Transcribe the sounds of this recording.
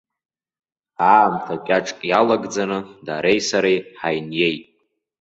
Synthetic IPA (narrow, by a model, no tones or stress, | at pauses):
aːmtʰakʲʼaʈ͡ʂʼkʼjalaɡd͡zanɨdaɾejsaɾejħajnje̞jtʼ